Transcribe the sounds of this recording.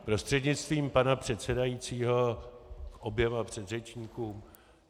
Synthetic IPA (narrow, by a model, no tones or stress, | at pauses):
pɾo̞st̪r̥ɛdɲɪt͡st̪viːmpanapr̝̥ɛt̪sɛdajit͡siːɦo̞kʔo̞bjɛmapr̝̥ɛd̪rɛt͡ʃɲiːkuːm